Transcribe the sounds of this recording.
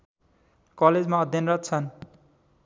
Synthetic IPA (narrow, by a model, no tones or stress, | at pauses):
kʌled͡zmaʌd̪ʱjʌnrʌt̪̚t͡sʰʌn